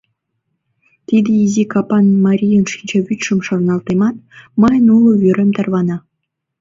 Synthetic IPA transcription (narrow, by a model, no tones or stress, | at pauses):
t̪id̪ĕizʲikɑpɑnmɑɾʲijə̆nʃinʲd͡ʑeβyt̪ʃə̆mʃornɑlt̪emɑt̪̚məjənulˠŏvyɾʲĕmt̪ɑrβɑnɑ